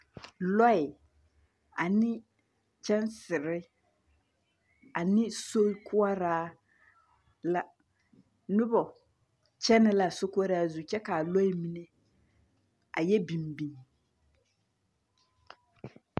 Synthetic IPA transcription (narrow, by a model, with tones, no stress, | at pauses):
lɔ˦ɪ˨ | a˨nɪ˦ | t͡ʃɛ˦nsɪ˨ɾɪ˦ | a˨nɪ˦so˦kʰʊ˦a˦ɾaː˦ | la˦ | nʊ˦bɔ˨ | t͡ʃɛ˦nɪ˦la˨so˦kʊ˦a˦ɾaː˦zu˨t͡ʃɛ˦ka˨a˨lɔ˦ɪ˦˨mi˦ne˦ | a˨jɛ˦bi˨mbi˨ŋ